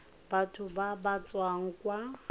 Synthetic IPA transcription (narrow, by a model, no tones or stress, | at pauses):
batʰʊbabat͡sʼwaŋ̩kwa